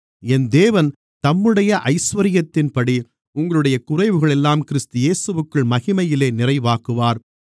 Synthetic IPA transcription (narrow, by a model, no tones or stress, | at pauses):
ɛnd̪eːʋɐn | t̪ɐmːɯɽɐjɐʔɐɪsʋɐɾɪjɐt̪ːɪnpɐɽi | ʊŋɡɐɭɯɽɐjɐkʊrɐɪʋɯɣɐɭɛlːaːmkɪɾst̪ɯjeːsɯʋɯkːɯɭmɐɣɪmɐjɪleːnɪrɐɪʋaːkɯʋaːɾ